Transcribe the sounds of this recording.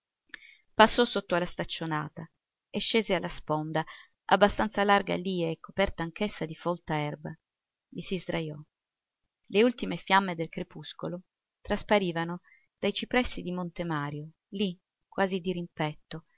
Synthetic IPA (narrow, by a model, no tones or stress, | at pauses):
pasːɔsot̪ːoalːast̪at͡ʃːonaːt̪a | eʃːeːzealːaspond̪a | a̰bːast̪ant̪salarɡa̰liːeːkːopɛrt̪aːŋkesːad̪ifɔlt̪aɛrba | visizd̪ɾajɔ | leult̪imefjamːed̪elkɾepuskolo | t̪ɾaspaɾiːvano | d̪̥ajt͡ʃipɾɛsːid̪imont̪emaːɾjo | li | kwaːzid̪iɾimpɛt̪ːo